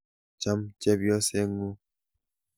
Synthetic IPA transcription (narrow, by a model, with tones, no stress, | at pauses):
t͡ʃa˦mt͡ʃɛ˦bjɔ˦sɛ˦ŋu˦